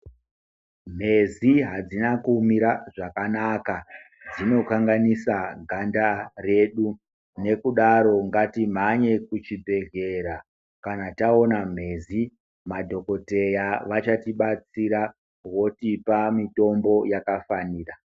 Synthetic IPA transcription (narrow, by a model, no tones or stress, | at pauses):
m̤e̞ziɦad͡zinakumiɾaʐakanaka | d͡zino̞kaŋɡanisaɡʱandare̞ɗu | ne̞kuɗaɾo̞ŋɡatim̤aɲe̞kut͡ʃibʱe̞ɡe̞ɾa | kanataonam̤e̞ːzi | madʱo̞ko̞te̞jaʋat͡ʃatiɓat͡siɾa | wo̞tipamito̞mbo̞jakafaniːra